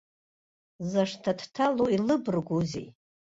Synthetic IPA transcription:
zaʂtʰadʰtʰaloilɨbɨrɡʷuzḛj

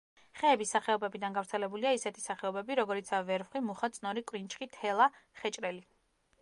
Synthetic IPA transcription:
χɛːbisaχɛɔbɛbid̪anɡavɾt̪sʰɛlɛbuliaisɛt̪ʰi̥saχɛɔbɛbiɾɔɡɔɾit̪sʰavɛɾvχwimuχat̪sʼnɔɾikʼwɾint͡ʃʼχʼit̪ʰɛlˠaχɛt͡ʃʼɾɛli

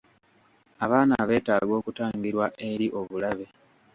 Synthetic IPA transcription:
aβaːnaβe̞ːtaɡo̞ːkutaːŋɡiɾwaʔe̞ɾiʔo̞βulaβe̞

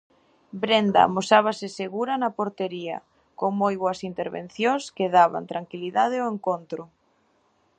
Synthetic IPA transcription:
bɾend̪a̰mosaβ̞asɪseɣuɾɐnɐpoɾt̪eɾiɐ̰ | koŋmojβoɐsint̪eɾβḛn̟θjoŋskeðaβa̰nt̪ɾaŋkiliðað̞eoeŋkont̪ɾʊ

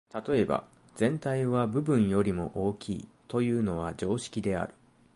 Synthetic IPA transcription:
t̪at̪o̞e̞ba̰ | z̥ẽ̞nt̪aiβabɯ̟bɯ̟̃ɰ̃jo̞ɾʲimo̞̰ʔo̞ːkʲʰḭːt̪o̞jɯ̟ːno̞β̞ad͡ʑo̞ːɕi̥kʲid̪e̞a̰ɾɯ̟̥

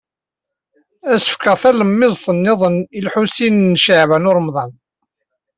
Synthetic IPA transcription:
æsə̥fkəʁθæləmːɪzˤsˤənːɪðˤənilħusinnːʃaʕvənʊɾˤmðˤɑn

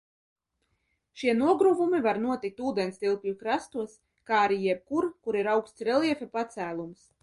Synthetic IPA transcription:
ʃiɛnuɔɡɾuvumivaɾnuɔt̪ik̚t̪uːd̪ɛnst̪ilˠplʲukɾast̪uɔs | kaːɾijɛp̚kuɾkuɾiɾawkst̪sʲɾɛlˠiɛfʲɛpat̪sæːlˠums

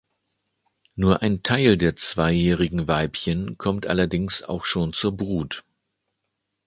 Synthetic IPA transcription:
nuːɐʔaɪntʰaɪldeːɐt͡sv̥aɪjɛːʁɪɡŋ̩vaɪpçənkʰɔmtʔa̰lɐdɪŋsa̰ʊxʃoːnt͡suːɐbʁuːt

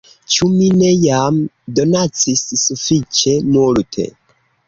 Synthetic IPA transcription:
t͡ʃumine̞jam | do̞nat͡sisːufit͡ʃe̞nultʰe̞̰

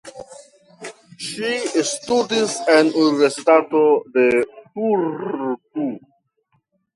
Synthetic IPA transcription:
ʃistudisanuniveɾsitatodetuɾtu

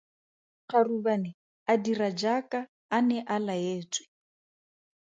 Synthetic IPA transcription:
χarubanɪ | adirad͡ʒakʼaː | nɛʔalaeːt͡sʼwɪ̥

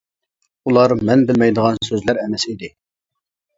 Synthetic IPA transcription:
ulˠɑɾmɛnbɪlmɛjd̪əʁɑnsøzlæɾɛmɛsid̪ɪ

